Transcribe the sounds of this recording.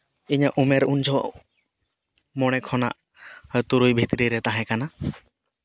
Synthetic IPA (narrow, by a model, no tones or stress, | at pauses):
iɲaʔumɛɾund͡ʒʱʰɔ | mɔɽ̃ɛkʰɔna̰ʔ | jt̪uɾujbʱit̪ɾiɾɛt̪aɦɛ̃kana